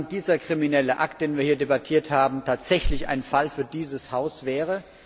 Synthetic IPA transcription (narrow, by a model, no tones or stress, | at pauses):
nd̥iːzɐkʁ̥iminɛləʔa̰k̚td̥eːnviːɐhiːɐdebatʰiːɐthaːbm̩tʰaːtz̥ɛçlɪça̰ɪnfalfyːɐdiːzəshaʊsv̥ɛːʁə